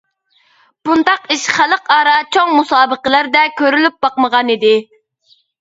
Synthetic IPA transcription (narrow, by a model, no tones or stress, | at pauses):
b̥und̪ɑqiʃχælˠəqɑːɾɑt͡ʃʰoŋmusɑːbəqəlˠæɾd̪ɛkʲʰøɾylyp̚bɑqməʁɑnid̪ɪ